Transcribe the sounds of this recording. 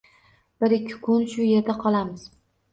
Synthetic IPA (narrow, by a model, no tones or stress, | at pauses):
b̥ɪɾɪkʲʰːɪ̥kʰʊnʃʊje̞ɾd̪aqʰɒlˠamɪz̥